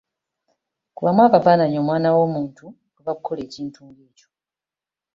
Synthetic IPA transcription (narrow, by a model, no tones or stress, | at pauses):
kuβamwaːβavaːnaɲo̞mwaːnawo̞ːmuːntu | ɡoβakukʰːo̞le̞ːciːntʰuːŋɡeːco̞